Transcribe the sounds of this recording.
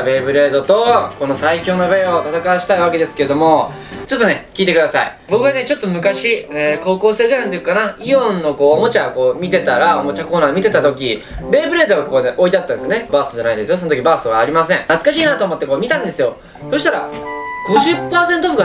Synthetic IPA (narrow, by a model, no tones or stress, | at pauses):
be̞ːbɯ̟ɾe̞ːd̪o̞t̪o̞ko̞no̞saikʲo̞ːnoβeo̞t̪at̪akaɕi̥t̪aiβake̞d̪e̞sɨ̥ke̞ɾed̪o̞mo̞ | t͡ɕo̞t̪ːo̞ne̞kʲiːt̪e̞kɯd̪asa̰ḭ | bo̞kɯ̟ɡanet͡ɕo̞t̪ːomɯ̟kaɕieːko̞ːko̞ːse̞ːd̪enant̪ojikɯkanaiõ̞nːo̞ko̞ːmo̞t͡ɕako̞ːmʲit̪e̞t̪aɾao̞mo̞t͡ɕako̞ːnaːmʲit̪e̞t̪at̪o̞k̬ʲibe̞ːbɯ̟ɾe̞ːd̪o̞ɡako̞ːneʔo̞it̪eat̪ːãnesjone̞baːst̪od͡ʑanaĩndes̬ɨjosonot̪okʲibaːsoβaːɾʲimasẽ̞ŋnat͡sɨ̥kaɕiːnat̪oːmo̞t̪ːe̞ko̞ːmʲit̪ãnd̪e̞sɨjo̞ | so̞ɕit̪aɾa̰ɡ̥o̞ʑɨpːaːsent̪oɸɯɡa